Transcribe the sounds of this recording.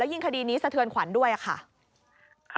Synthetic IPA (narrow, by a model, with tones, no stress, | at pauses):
ji˧ŋkʰa˧diː˧niː˦˥sa˧t̪ʰɯ˧ənkʰwa˩˦ndu˥˩əjʔa˨˩kʰa̰˥˩ʔ | kʰ